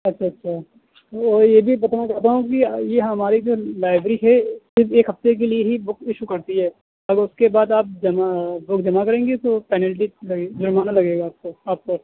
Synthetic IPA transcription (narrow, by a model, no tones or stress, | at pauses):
ɐtːʃʰaɐtːʃʰa | ɔːɾjebʱibɐt̪anat͡ʃaɦt̪̬aɦũk̬ijeɦɐmaːɾid͡ʒoːlaːɪbɾiɦɛsɪɾfeːkɦɐft̪ek̬elieɦibʊkɪʃukɐɾt̪iɦɛː | ɐɡəɾʊskebaːd̪aːp̚d͡ʒɐmabʊkd͡ʒɐmakɐɾẽːŋɡet̪opɛːnɛlʈilɐɡed͡ʒʊɾmaːnalɐɡeːɡaːp̚koaːp̚ko